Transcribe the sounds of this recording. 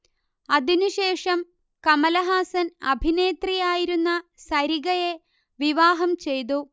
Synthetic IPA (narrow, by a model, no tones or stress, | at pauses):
ɐðinuɕe̞ːʂɐm | kɐmɐlɐɦaːsɐnɐ̰bʱine̞ːt̪rijaːjiɾunːɐsɐɾiɣɐje | ʋiʋaːɦɐmt͡ɕe̞jt̪u